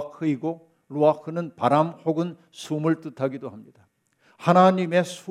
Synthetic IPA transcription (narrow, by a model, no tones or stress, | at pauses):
kʰɯiɡo | ɾuakʰɯnɯnpaɾamhoɡɯn | sʰumɯɭt͈ɯtʰaɡidohamɲid̥a | hanaɲime̞sʰu